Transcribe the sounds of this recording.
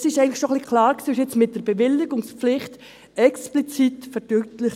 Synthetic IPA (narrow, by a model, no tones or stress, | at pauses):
sɪʃɛɪŋntlɪχʃoχlikʰlɑːɾksiːɪʃɪt͡smɪt̚d̥əɾb̥eʋɪlːɪɡʊŋspflɪχt | ɛksplit͡sitfəɾd̥ytlɪχ